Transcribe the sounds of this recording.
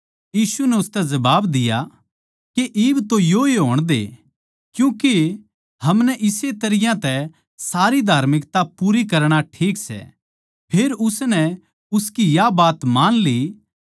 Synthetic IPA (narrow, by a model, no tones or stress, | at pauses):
jiːsunɛʊst̪ɛzɐbaːbd̪ɪja | keʔiːbt̪ojoeɦoːɽ̃d̪ḛ | kjũːke | ɦɐmnɛʔɪset̪ɐɾɪjãt̪ɛ | saːɾid̪ʱaːɾmɪkt̪apuːɾikɐɾɽ̃aʈʰiːksɛ̰ | pʰeːɾʊsnɛ | ʊskijabaːt̪maːnli